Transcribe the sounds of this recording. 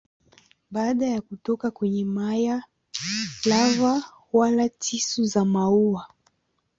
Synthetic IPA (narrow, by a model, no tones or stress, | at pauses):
ɓaːɗajakutɔkakwɛɲɛmaja | lava | walatʰisuzamauwa